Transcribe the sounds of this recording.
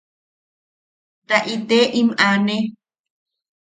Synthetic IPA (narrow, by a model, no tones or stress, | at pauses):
t̪aʔit̪eʔimane